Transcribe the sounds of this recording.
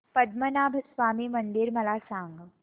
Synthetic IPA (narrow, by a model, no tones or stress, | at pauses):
pɐd̪mənaːbʱɐsʋaːmimɐ̃nd̪iɾmɐlaːsãːŋɡ